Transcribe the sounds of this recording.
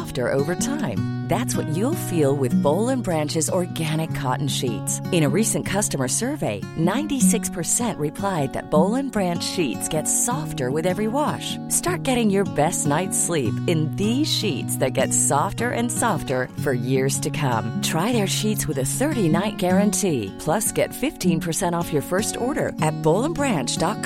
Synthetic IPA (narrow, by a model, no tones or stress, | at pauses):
ftə̰˞ʔo̰ʊvə˞tʰãɪ̃m | ðætswʌ̰t͡ʃɨlˠfilˠwɪðboʊlˠə̃nbɹæ̃nt͡ʃɨzɔɹɡæñɨkʰːɑ̰ʔn̩ʃḭtsɨ̃ɾ̃ɨɹisɨ̃nkʰʌstəmə˞sɜ˞veɪ | nãɪ̃ntisɪkspʰə˞sɛ̃nʔɹɨpʰl̥aɪd̪̚ðɨ̰t̚b̥oʊlˠə̃nbɹæ̃nt͡ʃʃitsɡ̥ɛtsɔftə˞wɨðɛvɹiwɑʃ | stɑɹt̚ɡ̥ɛɾɪ̃ŋjə˞bɛstⁿnaɪtslipɨ̃nðiz̥ʃitsðɨt̚ɡ̥ɛtsɔftə˞ʔɨ̰̃nsɔftə˞fə˞jɪɹz̥tʰɨkʰʌ̰̃mtʰɹ̥aɪðə˞ʃitswɨðɨθɜ˞ɾinaɪt̚ɡ̥ɛɹɨ̃ntʰipʰl̥ʌsɡ̥ɛ̰tfɪftʰĩnpʰə˞sɛ̃ɾ̃ɔfjə˞fɜ˞stɔɹɾə̰˞ʔɨt̚b̥oʊlˠə̃nbɹæ̃nt͡ʃd̥ɑt̚k